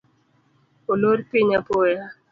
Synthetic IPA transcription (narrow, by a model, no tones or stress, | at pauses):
oloɾpiɲapoja